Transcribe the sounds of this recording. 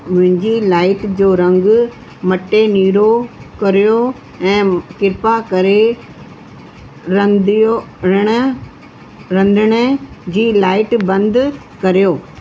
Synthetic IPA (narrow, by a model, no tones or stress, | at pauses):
mʊ̃ɦɪ̃ɲd͡ʑilaːɪʈd͡ʑoːɾɐ̃ŋɡ | mɐʈeniːɾokɐɾijo | ɛ̃ːkɪɾpakɐɾe | ɐd̪oɾɪɽ̃ə̆ | ɾɐ̃nd̪ʱəɽ̃əd͡ʑiːlaːɪʈbɐ̃nd̪ʱ | kɐɾijoː